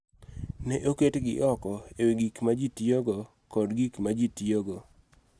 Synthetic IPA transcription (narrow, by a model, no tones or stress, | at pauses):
nɛʔoketɡɪ̰ʔɔkɔeweɡikmad͡ʒitjoɡɔ | kɔdɡikmad͡ʒitioɡo